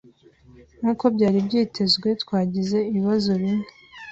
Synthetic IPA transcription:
nuːko̞bɟaːɾibɟiːtʰe̞zɡwe̞twaːɟize̞iβiβazo̞βiɲe̥

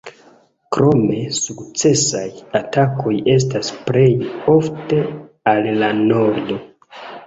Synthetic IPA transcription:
kɾo̞me̞sukt͡se̞sajatako̞je̞s̬tasple̞jo̞fte̞ | alːano̞ɾdo̞

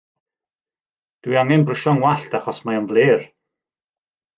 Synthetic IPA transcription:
d̥wiaŋɛnbrəʃɔŋwaɬtʰaχɔsmaənvleːr

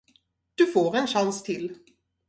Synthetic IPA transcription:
d̪̥ɵfoːɾɛnɕanst̪ʰɪl

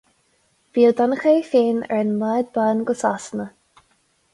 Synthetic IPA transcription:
v̥iːəld̪anəxeːfeːnɛ̰ɹɪnlɛːd̪̚baːnɡʊsasnə

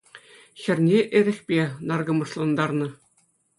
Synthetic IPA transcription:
ɕɘ̆rʲnʲeʔɘ̆ɾʲɘ̆xʲpʲenɑrɡɤ̆mɤ̆ʂlˠɑnd̪ɑrnɤ̆

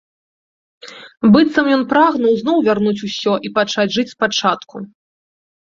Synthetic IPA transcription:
bɨt̪sɐmjɔnpɾaɣnɐwznɔwvʲarnut͡sʲusʲɔʔipat͡ʂad͡zʲʐɨt͡sʲspat͡ʂat̪ku

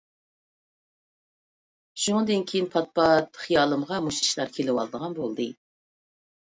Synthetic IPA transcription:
ʃuŋɨd̪ɨnkʲʰejinpʰɑt̪̚pɑt̪χijɑːlˠɨmʁɑmuʃi̥ʃlˠɑɾkʲʰelɪwɑ̰lˠd̪əʁɑnbolˠd̪ɨ

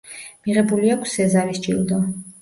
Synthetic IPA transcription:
miʁɛbuliakʷʰsɛzaɾisd͡ʒḭlˠd̪ɔ

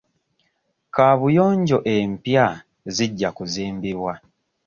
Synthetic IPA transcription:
kaβujo̞ːɲɟo̞ʔempja | ziɟːakuziːmbiβwa

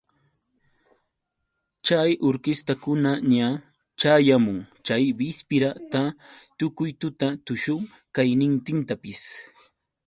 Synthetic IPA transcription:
t͡ʃajʔʊɾkɪst̪akʊnaɲa | t͡ʃajamʊŋt͡ʃajbɪspɪɾat̪at̪ʊkʊjt̪ʊt̪at̪ʊʃʊŋ | kajnɪnt̪ɪnt̪apɪs

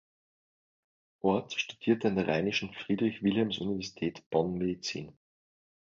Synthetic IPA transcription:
ʔɔɐtʃtud̥iːɐtəandeɐʁaɪnɪʃn̩fʁ̥iːdʁɪçvɪlhɛmsunivɛɐzitʰɛːtb̥ɔnmedit͡sḭːn

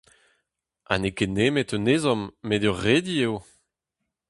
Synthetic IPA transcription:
a̰nekenemetøneːzɔmːedøʁːed̪iew

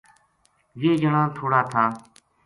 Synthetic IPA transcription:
ʋeːd͡ʒəɳãːt̪ʰoːɽaːt̪ʰaː

